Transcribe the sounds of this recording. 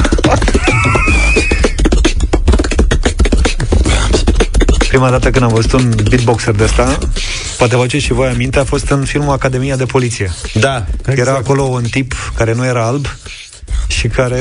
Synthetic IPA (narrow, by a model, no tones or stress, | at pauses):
pɾimad̪at̪əkɨnd̪amvəzut̪unbit̪̚bo̞kserd̪est̪a | poat̪̬evat͡ʃeʃivojamint̪e̞afo̞st̪ɨnfilmuakad̪e̞mijad̪e̞po̞lit̪sije̞d̪ajeɾaːko̞lo̞unt̪ipkaɾe̞nuje̞ɾaalb | ʃikaɾe